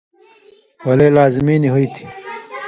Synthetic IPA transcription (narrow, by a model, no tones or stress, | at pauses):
wɐleːlaːzimiːniɦuit̪ʰi̥